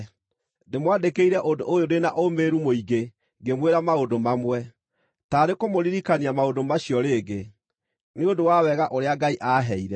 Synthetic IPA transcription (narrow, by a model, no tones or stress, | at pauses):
nemwadekeiɾɛʔodo̰ʔojoɾenaʔomeɾumoiɡe | ŋɡemweɾamaodomamwɛ | taɾekomoɾiɾikaniamaodomaɕiɔɾeːɡe | neondowawɛɣaʔoɾeaɡaiʔaːɦɛiɾɛ